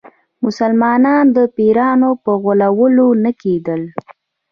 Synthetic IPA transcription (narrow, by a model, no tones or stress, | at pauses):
mʊsalmɑnɑnd̪əpeɾɑnopəɣʊlawəlonaked̪əl